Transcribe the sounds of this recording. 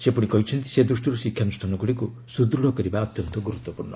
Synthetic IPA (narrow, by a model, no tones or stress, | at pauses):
sepuɽikɔɦit͡ʃʰɔnt̪i̥sed̪ɾusʈiɾusikʰːjanusʈʰanɔɡuɽiku | sud̪ɾuɽɔkɔɾibaɔt̪jɔnt̪ɔɡuɾut̪ːɔpuɾnɔ